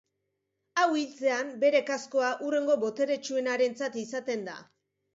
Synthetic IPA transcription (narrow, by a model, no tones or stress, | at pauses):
awilt͡se̞ambe̞ɾe̞kasko̞aʔure̞ŋɡo̞bo̞t̪e̞ɾe̞t͡ʃue̞naɾe̞nt͡sat̪isat̪e̞nd̪a̰